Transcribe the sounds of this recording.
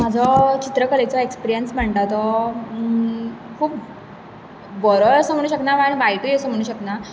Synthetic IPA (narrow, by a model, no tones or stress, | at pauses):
mad͡zʱɔt͡ɕit̪ɾəkəlet͡sɔekspiɾijənsm̤əɳt̪at̪ɔ | kʰuːp̚ | bəɾəəsəm̤əɭɽuːɕəknaʋaɳbajʈuːjesəm̤əɽ̃ũːɕəkna